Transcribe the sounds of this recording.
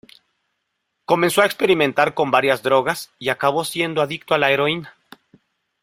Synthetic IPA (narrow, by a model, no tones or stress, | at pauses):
ko̞menso̞aekspe̞ɾimẽnt̪aɾko̞mbaɾjazd̪ɾo̞ɣasiakaβ̞o̞sje̞nd̪oaðikt̪oalae̞ɾo̞ina